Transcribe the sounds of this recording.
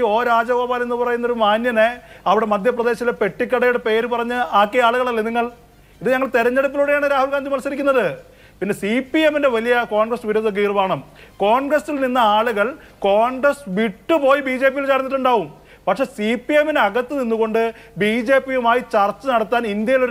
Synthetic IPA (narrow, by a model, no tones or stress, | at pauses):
o̞ːɾaːd͡ʑɐboːpaːne̞nːupɐrɐjunːɐo̞ɾumaːnjɐneɐʋiɽe̞mɐd̪ʱjɐprɐd̪e̞ːɕɐilepe̞ʈːikʲːɐɽɐjuɽepe̞ːɾupɐrɐɲːɨaːkːeaːɭuɣɐɭɐlːeniŋːɐɭ | iðɨɲɐŋːɐɭt̪eɾɐɲːe̞ɽupːiluːɽejaːɳɨɾaːhulɡaːnd̪ʱimɐnsɐɾik̬ʲːunːɐðɨ | pinːe̞sipːie̞minde̞ʋɐlijɐkoːɳɡrɐsʋiɾoːd̪ːok̬ːeirʋaːɳɐmko̞ːɳɡrɐsilninːɐaːɭuɣɐɭ | koːɳɡɾɐsʋiʈːɨpo̞ːjibiːd͡ʑe̞ːp̬ijilt͡ɕaːɾnːiʈːuɳɖaːʋum | pɐkʂe̞ːsipːijemineɐɣɐt̪ːɨninːuɣo̞ɳɖɨ | biːd͡ʑe̞ːpːijumaːjit͡ɕɐrt͡ɕːɐnɐɽɐt̪ːaːnind̪jɐjilo̞ɾ